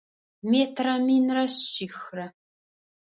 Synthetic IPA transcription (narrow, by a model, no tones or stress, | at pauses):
meːtʰrɐminrɐɕiːxrɐ